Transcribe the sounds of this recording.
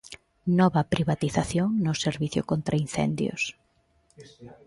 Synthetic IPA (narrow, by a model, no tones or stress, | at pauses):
nɔβɐpɾiβat̪iθaθjoŋnʊseɾβiθjʊ̰kont̪ɾʔainθɛ̰nd̪jʊ̰s